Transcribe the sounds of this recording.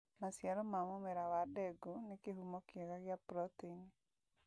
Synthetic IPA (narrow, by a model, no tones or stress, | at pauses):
masjaɾɔmamomeɾawadɛɡunekeɦumɔkjɛɣaɣjapɾɔtini